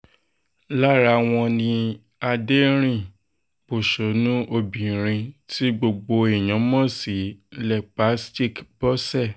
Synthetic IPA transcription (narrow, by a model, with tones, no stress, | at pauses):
la˦ɾa˧w̃ɔ̃˧nĩ˧ | a˧de˦ɾ̃ĩ˦˨ | b̥o˨ʃo˨˦nũ˦ʔo˧bĩ˨ɾ̃ĩ˧ti˦ɡ͡bo˧ɡ͡bo˧e˨j̃ɔ̃˨˦mɔ̃˦˨si˨˦lɛ˨k͡pa˨˦sti˦˨kb̥ɔ˦sɛ˦˨